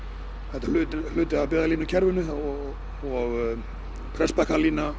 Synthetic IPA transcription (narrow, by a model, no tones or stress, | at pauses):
θɛht̪al̥ʏːt̪ɪl̥ʏːt̪ɪapɪːðaliːnacʰɛɾvʏnʏɔ | ɔɣ | pʰɾɛspɛhk̪aliːna